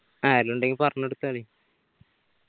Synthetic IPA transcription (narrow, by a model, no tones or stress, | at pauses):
aːɾiluɳɖeŋɡilpɐrɐɲːeɽut̪ːaːɭi